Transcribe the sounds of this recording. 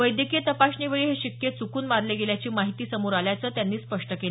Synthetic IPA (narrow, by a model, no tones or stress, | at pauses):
ʋəjd̪jəkijət̪əpaɕɳiʋəɭiːɦeɕikːjet͡sukuːnmaɾleɡeljat͡ɕiːmaɦit̪iːsəmoɾaljat͡səːt̪janːiːspəʂʈəkele